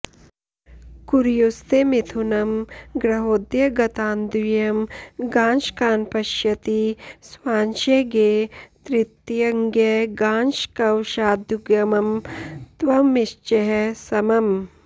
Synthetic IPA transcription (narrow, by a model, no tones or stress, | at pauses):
kuɾjust̪emit̪ʰunɐmɡɾɐɦoːd̪jɐɡɐt̪aːnd̪ijɐmɡaːnʃkaːnpɐʃjɐt̪iswaːnʃeɡeːt̪ɾit̪jɐŋɡjɐɡaːnʃkɐwʃaːd̪juɡjɐmɐmt̪ʋɐmːiʃt͡ʃɐɦɐsɐmɐm